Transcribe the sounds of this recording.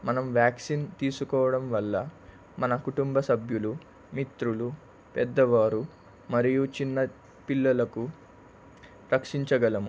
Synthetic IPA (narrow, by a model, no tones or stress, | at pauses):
mɐnɐmʋjaːksint̪iːsukɔːʋɐɽɐmʋɐlːɐ | mɐnɐkuʈumbɐsɐbʱjulu | mit̪ɾulu | pɛd̪ːɐʋaːɾu | mɐɾijut͡ʃinːɐ | pilːɐlɐku | ɾɐkʂiɲt͡ʃɐɡɐlɐmu